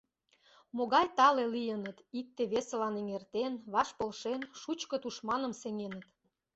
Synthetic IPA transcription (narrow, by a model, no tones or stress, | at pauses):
moɣɑjt̪ɑlelijənət̪ik̚t̪eβeselɑneŋert̪enβɑʃpəlʃenʃut͡ɕkət̪uʃmɑnə̆mseŋenət̪